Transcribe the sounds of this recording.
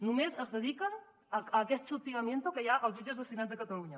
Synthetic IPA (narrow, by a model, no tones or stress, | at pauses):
numezəzðəð̞ikən | əəkɛst̪supiɣəmjent̪ukəjaʔəlˠzʒud͡ʒəzðəst̪inad͡zðəkət̪əluɲə